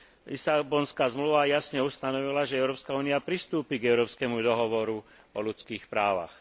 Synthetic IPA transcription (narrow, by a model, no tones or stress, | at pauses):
isabɔnskaːzmluʋajasɲɛust̪anɔʋilaʒɛɛʊɾɔːpskauːniapɾist̪uːpiɡɛʊɾɔːpskɛmud̪ɔɦɔʋɔɾu | ɔlut͡skiːxpɾaːʋa̰x